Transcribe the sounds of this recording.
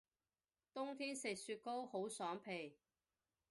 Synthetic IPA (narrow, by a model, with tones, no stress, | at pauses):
t̪ʊ˥ŋt̪ʰiː˥nsɪ˨k̚syː˧t̚ko˥who˨˥wsœː˨˥ŋpʰe˨˩j